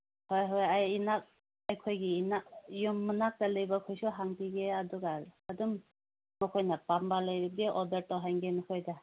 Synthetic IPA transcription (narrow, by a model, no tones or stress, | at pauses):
hɔjɦɔjajinak̚ | ajkʰojɡiːnak̚jumːɯnak̚talɯjbakʰɔjsuɦaŋtiɡeadɔɡaɾadum | mɔkʰɔjnapambaləjbiɡeʔɔdaɾtɔɦajŋɡenɔkʰɔjda